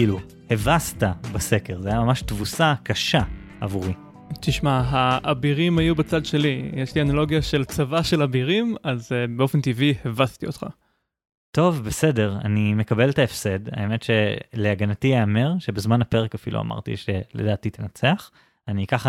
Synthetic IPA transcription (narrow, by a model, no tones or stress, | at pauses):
kiːlu | hevast̪abase̞ke̞ʁzeajamamaʃtvusakaʃa | avuʁi | t̪iʃmaɦaʔːbiʁimajubat͡sadʃe̞lijeʃlianalo̞ɡjaʃelt͡savaʃelabiʁimazbeo̞fent̪ivihevast̪iot̪χa̰ | to̞vbese̞de̞ʁa̰nime̞kabe̞ltaefse̞da̰eme̞tʃeleaɡanatieːme̞ʁʃe̞bezmanape̞ʁekafḭlʔṵa̰mʔa̰ʁtḭʃelḛdaːtit̪enat͡seaχ | anikaχa